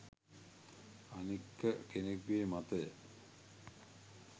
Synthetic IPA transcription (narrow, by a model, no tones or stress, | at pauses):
anikːəkenekʋeːmat̪əjə